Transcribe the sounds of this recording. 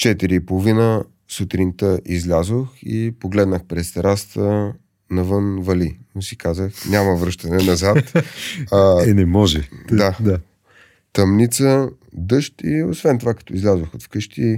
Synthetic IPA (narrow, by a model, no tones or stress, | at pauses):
t͡ʃɛt̪iɾiːpolˠovinə | sut̪ɾint̪əʔizlʲazoxipoɡlɛd̪nəxpɾɛst̪ɾʔast̪ə | nɐvɤnvɐlinosikazəxnʲaməvɾɤʃt̪ənɛnɐzat̪aɛnɛmɔʒɛd̪ad̪ | t̪ɐmnit̪sə | d̪ɤʃt̪iosvɛnt̪ovakɐ̥t̪ɔizlʲazoxot̪fkɤʃt̪i